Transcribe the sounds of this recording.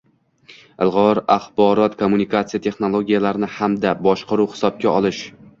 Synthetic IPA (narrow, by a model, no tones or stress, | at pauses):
ɪlˠʁɒɾaχbɒɾɒt̪kʰomːunikat̪sijat̪ʰe̞χno̞lˠoɡʲijalaɾnɪhamd̪abɒʃqɑɾuwhɪ̥sɒb̚ɡʲaɒlˠɪʃ